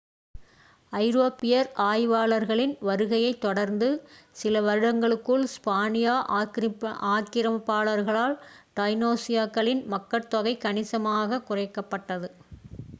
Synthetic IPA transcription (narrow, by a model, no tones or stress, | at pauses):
ɐɪɾoːpːɪjɐɾʔaːjʋaːɭɐɾɣɐɭɪnʋɐɾɯɣɐjɐɪt̪ːɔɽɐɾnd̪ɯsɪlɐʋɐɾɯɽɐŋɡɐɭɯkːɯɭspaːnɪjaːʔ | aːkːɪɾɐmɐpːaːɭɐɾɣɐɭaːl | ɖ̥ɐɪnoːsɪjaːkːɐɭɪnmɐkːɐɾt̪ːɔɣɐɪkɐɳɪsɐmaːɣɐkʊrɐɪkːɐpːɐʈːɐðɯ